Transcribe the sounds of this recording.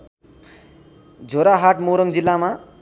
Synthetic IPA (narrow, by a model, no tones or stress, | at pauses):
d͡zʱoɾaɦaʈmoɾʌŋd͡zilːama